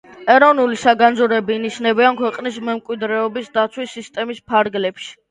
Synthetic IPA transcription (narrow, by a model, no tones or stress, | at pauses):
ɛɾɔvnulisaɡand̪zuɾɛbiːniʃnɛbiankʰwɛqʼnismɛmkʼwid̪ɾɛɔbisd̪at̪sʰwisːist̪ʼɛmispʰaɾɡlɛpʃi̥